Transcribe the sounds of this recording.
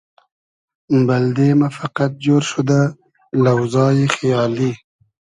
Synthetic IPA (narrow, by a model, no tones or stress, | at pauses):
bald̪emafaqat̪̚d͡ʒoɾʃud̪a | lawzɑːjexajɑːli